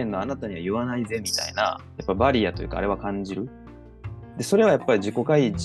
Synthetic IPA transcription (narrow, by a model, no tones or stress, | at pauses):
ẽnːo̞anat̪aɲ̟iβajɯ̟βanaize̞mʲit̪a̰ḭna̰japːabaɾʲiat̪o̞jɯ̟ka̰ɾe̞βakãɲ̟d͡ʑiɾɯ̟ | d̪̥e̞so̞ɾe̞βajapːaɾʲiʑiko̞kai